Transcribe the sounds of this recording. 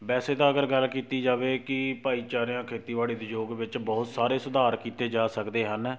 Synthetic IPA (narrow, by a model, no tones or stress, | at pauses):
bɛːseːd̪aːəɡəɾɡəlkiːt̪iːd͡ʒaːʋeːkɪpaːiːt͡ʃaːɾɪjãːkʰeːt̪iːʋaːɽiːd̪ed͡ʒoːɡʋɪt͡ʃbɔːt̪saːɾeːsʊd̪aːɾkiːt̪eːd͡ʒaːsəkd̪eːɦən